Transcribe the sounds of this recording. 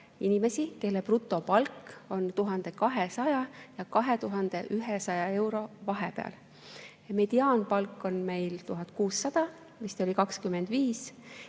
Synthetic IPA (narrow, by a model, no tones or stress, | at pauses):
inʲime̞sike̞lːeprut̪ːˑo̞pɑlko̞nt̪uɦɑnd̪̥e̞kɑɦesɑjɑjɑkɑɦe̞t̪uɦɑnd̪̥e̞ʔyɦesɑjɑe̞wɾo̞vɑɦepe̞ɑ̰l | ɑme̞d̪̥iɑːnpɑlkːˑo̞nme̞jlt̪uɦɑd̪̥kuːsːɑd̪̥ɑ | mist̪o̞lʲikɑkskyme̞nd̪̥viːs